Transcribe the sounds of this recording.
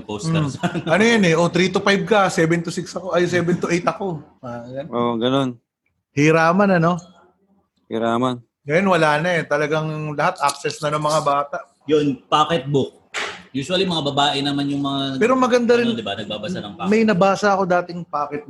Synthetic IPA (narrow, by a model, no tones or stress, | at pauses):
posʔɐnojɐnɛʔot̪ɾiːt̪ʊpajb̚kɐsɛːbɛnt̪ʊsɪksɐko̞ʔɐjsɛːbɛnt̪ʊʔejt̪ɐko̞ | ajanoʔɡɐno̞n | hɪɾaːmɐnɐno̞ | hɪ̰ɾaːman | ɡɐjonwɐlaːnɐɛt̪ɐlɐɡaŋlɐhat̪ʔak̚sɛsnɐnoŋmɐŋabaːt̪aʔ | jonpaːkɛt̪̚bʊk̚juːswɐlimɐŋabɐbaːʔɛnɐmanjʊŋmɐŋapɛːɾomɐɡɐnd̪ɐɾɪnd̪ɪba̰nɐɡ̚baːbɐsanɐŋpamɐjnɐbaːsɐʔɐko̞d̪aːt̪ɪŋpaːkɛt̪̚b